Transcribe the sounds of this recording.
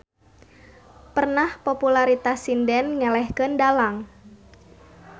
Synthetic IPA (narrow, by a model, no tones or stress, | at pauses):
pərnahpopulaɾit̪asindɛnɲɛlɛhkəndalaŋ